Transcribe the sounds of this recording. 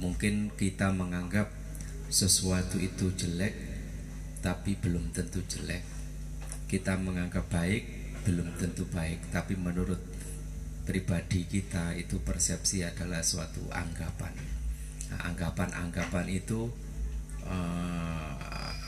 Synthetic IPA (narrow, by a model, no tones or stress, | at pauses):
muŋkɪnkit̪aməŋaŋɡap̚ | səsuat̪uit̪u̥ʒ̥əlɛk̚ | t̪apib̥əlʊmt̪ənt̪u̥d͡ʒ̥əlɛ̰k̚ː | it̪aməŋaŋɡap̚b̥aɪk̚ | b̥əlʊmt̪ənt̪ub̥aɪk̚t̪apimənuɾʊt̪̚ | pɾib̥ad̪̥ikit̪ait̪upərsɛp̚siad̥alahsuwat̪ṵa̰ŋɡapa̰n | a̰ŋɡapanʔa̰ŋɡapanit̪u | ə